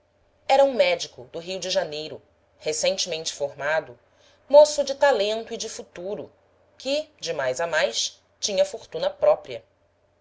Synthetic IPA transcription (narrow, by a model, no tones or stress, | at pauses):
ɛɾɐũmɛd͡ʒikʊd̪ʊɦiwd͡ʒɪʒanejɾʊ | hesẽnt͡ʃɪmẽnt͡ʃɪ̥foɦmad̪ʊ | mosʊd͡ʒɪt̪alẽnt̪ʊid͡ʒɪfut̪uɾʊ | kɪd͡ʒɪmajzamajs | t͡ʃĩɲɐfoɾt̪ũnɐpɾɔpɾiɐ